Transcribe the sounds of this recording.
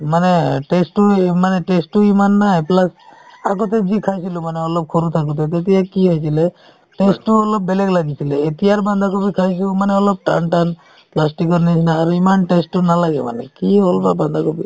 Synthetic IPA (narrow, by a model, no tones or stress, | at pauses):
manɛʈesʈumanɛʈesʈuimanːaɦɛplasaɡɔt̪ɛzikʰajsilumanɛɔlɔp̚kʰoɾut̪ʰak̬ut̪̬ɛt̪̬et̪̬ijakiɦɔjsilɛ | ʈesʈuɔlɔp̚belɛklaɡisilɛːt̪ijaɹband̪ʱakobikʰajs̬imanɛɔlɔb̚ʈanʈan | plas̬ʈikɔɹnisʰnaːɾuimanʈesʈunalaɡɛma̰nɛ̰kiɦolbaband̪ʱakobi